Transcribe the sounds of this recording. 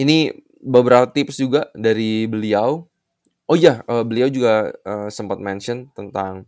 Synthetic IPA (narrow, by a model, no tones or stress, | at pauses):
ini | bəbəɾapat̪ɪpsd͡ʒuɡaʔdaɾibəliaw | ojaəbəliawd͡ʒuɡaəːsəmpat̪̚mɛnʃɔnt̪ənt̪aŋ